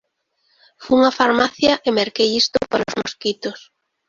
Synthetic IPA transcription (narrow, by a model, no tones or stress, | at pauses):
fuuŋɐfaɾmaθjɐʔɪmeɾkejist̪ʊpaɾaozmoskit̪os